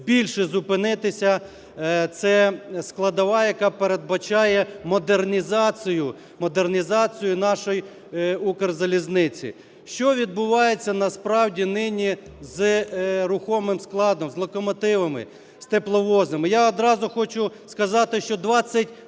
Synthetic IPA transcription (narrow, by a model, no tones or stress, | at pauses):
bʲilʲʃɛzʊpɪnɪt̪ɪsʲɐ | t̪sɛsklˠɐd̪ɐʋɑjɐkɑpeɾed̪̚bɐt͡ʃɑjɛmɔd̪ernʲizɑt͡sʲijʊ | mɔd̪ernʲizɑt͡sʲijʊnɑʃɔj | ukerzɐlʲiznɪt͡sʲḭ | ʃt͡ʃɔʋʲid̪bʊʋɑjet͡sʲːɐnɐspɾɑwdʲinɪnʲizɾʊxɔmɪmsklˠɑd̪ɔmzlˠɔkɔmɔt̪ɪʋɐmɪ̰ | st̪eplˠɔʋɔznɪmɪjaɔd̪ɾɑzʊxɔt͡ʃʊskɐzɑt̪ɪʃt͡ʃɔd̪ʋɑt͡sʲːɐtʲ